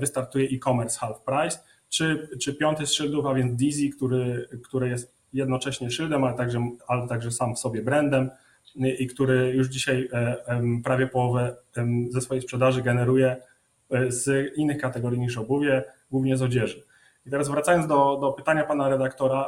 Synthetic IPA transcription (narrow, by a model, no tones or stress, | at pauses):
vɘst̪aɾt̪ujɛʔikɔmɛɾsxalfpɾajs | t͡ʂɘt͡ʂɘpʲjɔnt̪ɛsʂɘld̪ufavʲjɛnzd̪ʲizʲikt̪uɾɘkt̪uɾɘjɛst̪ | jɛd̪nɔt͡ʂɛɕɲɛʂɘld̪ɛmalɛt̪aɡʐɛalɛt̪aɡʐɛsamfsɔbʲjɛbɾɛnd̪ɛm | ikt̪uɾɘjuʐd͡ʑiɕaj | pɾavʲjɛpɔwɔvɛzɛsfɔjejspʂɛd̪aʐɘɡɛnɛɾujɛ | zinːɘxkat̪ɛɡɔɾʲjiɲiʂ̬ɔbuvʲjɛɡwuvɲɛzɔd͡ʑɛʐɘ | it̪ɛɾazvɾat̪sajɔnzd̪ɔd̪ɔpɘt̪aɲapanaɾɛd̪akt̪ɔɾa